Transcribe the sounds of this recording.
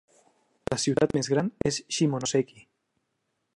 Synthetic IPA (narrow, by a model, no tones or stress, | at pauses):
lasiwt̪at̪̚mezɣɾanesʃimonoseki